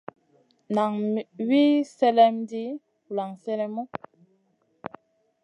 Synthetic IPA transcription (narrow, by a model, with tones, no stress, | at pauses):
na˨ŋ˨wi˦sɛ˦lɛ˦mdi˦˨ | la˨ŋsɛ˦lɛ˦mɔ˦